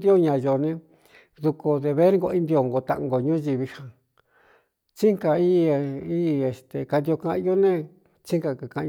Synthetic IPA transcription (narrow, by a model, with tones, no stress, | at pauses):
d̪i˦o˦ɲã˧jo˨nẽ˧ | ðu˧ko˧d̪e˧βe˦ɾɡo˧i˦nd̪i˧o˧ŋɡo˧t̪a̰˧ŋɡo˧ɲũ˦ʒi˧βi˧hã˧ | t͡ʃi˦ŋka˨˧i˦˧i˦˧e˨st̪e˨ka˧nd̪i˧o˧kã˧ʔjo˦nẽ˦ | t͡ʃi˦ŋka˧ka˧kã˧